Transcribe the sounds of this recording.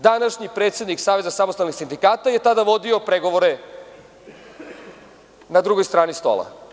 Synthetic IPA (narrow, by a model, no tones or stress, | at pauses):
d̪anaʃɲipɾe̞ːt̪sje̞d̪niksaːʋe̞zasamost̪alnixsind̪ikaːt̪aje̞t̪ad̪aʋo̞d̪io̞pɾeɡo̞ʋoɾe | nad̪ɾuɡo̞jst̪ɾaːnist̪o̰lˠa̰